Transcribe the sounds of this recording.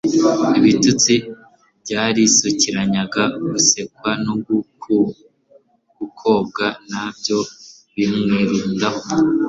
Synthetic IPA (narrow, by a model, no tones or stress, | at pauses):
iβitut͡si | bɟaːɾisuciɾaɲaɡaɡuse̞kwanoɡ | ɡ̥ukʰo̞b̚ɡanabjo̞ | βimŋiɾuːndaho